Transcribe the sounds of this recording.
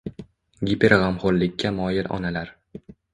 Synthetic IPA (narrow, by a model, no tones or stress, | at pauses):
ɡʲipʰeɾʁamχoɾlɪkʲʰːamɒːjɪlʔɒ̰nalaɾ